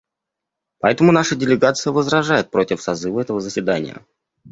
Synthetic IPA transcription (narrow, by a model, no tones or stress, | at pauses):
pɐɛt̪əmʊnaʂədʲɪlʲɪɡat̪sɨjəvəzɾɐʐajɪt̪̚pɾo̞tʲɪfsɐzɨvəɛt̪əvəzəsʲvʲɪd̪anʲɪ̰jə̰